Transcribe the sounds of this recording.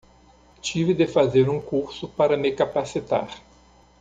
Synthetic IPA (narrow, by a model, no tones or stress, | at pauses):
t͡ʃivɪd̪efazeɾũkuɾsʊpaɾɐmɪkapasit̪a̰ɾ